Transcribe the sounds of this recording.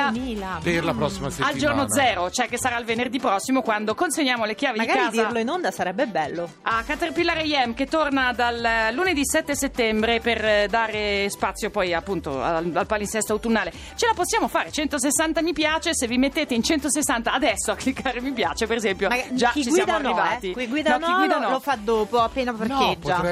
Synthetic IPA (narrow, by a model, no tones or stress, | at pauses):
milapeɾlapɾɔsːimaseald͡ʒornod̪zɛːɾot͡ʃoɛkːesːaɾailvenerd̪ipɾɔsːimokwand̪okonseɲːjaːmolekjaːvedmiɡakɾaːzd̪ialoinond̪asaɾɛbːebɛlːo | akːat̪erpilːaɾejɛmket̪ːornad̪allːuned̪isɛt̪ːeset̪ːɛmbɾeperd̪aːɾespat̪sːjopɔjapːunt̪o̰a̰alpalinsɛst̪oawt̪unːaːle | t͡ʃelaposːjaːmofaːɾet͡ʃɛnt̪os̬esːant̪amipjaːt͡ʃesevːimet̪ːeːt̪eint͡ʃɛnt̪osesːant̪aːd̪ɛsːoakːlikːaːɾemipjaːt͡ʃepeɾezɛmpjomad͡ʒait͡ʃisɡwjaːd̪arnːivaːt̪ikiɡwiːd̪anɔkniɡwid̪anɔlofad̪ːoːpoapːeːnaperked͡ʒːa